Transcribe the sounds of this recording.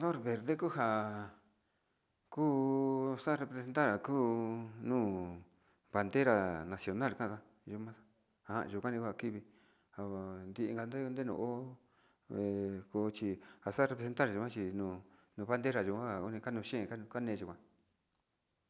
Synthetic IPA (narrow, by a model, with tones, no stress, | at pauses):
ðo˦˨ɾβe˨ɾðe˦ku˦ɦa˧˨ | kuː˦sa˦ɾe˧pɾese˧nt̪a˦ɾa˨kuː˦nũː˦˨ | βa˨˧nd̪e˦ɾa˨nã˨sjo˧na˦˨lkã˦˨t̪a˦ | ʒu˧mã˦sḁ˦ | a˧˨ã̰˧˨˧ʒu˨˧kʷa˦nĩ˧ku˦a˧˨ki˦βi˧ | ha˨nd̪i˧ʔi˧ŋɡa˧nd̪e˦˧nd̪e˦nṵ̃˧˨o˦ | e˨ku˧t͡ʃi˧ha˨sa˦ɾe˧pɾe˧se˧nt̪a˦ɾa˨u˧kʷã˦t͡ʃi˧nũː˨nũː˧βa˦nd̪e˦ɾa˨ʒu˧kʷã˦ha˨u˦nĩ˧ka˦nũ˧ʃẽ˦˨kã˦˧ka˦nẽː˧ʒu˧kʷã˧˨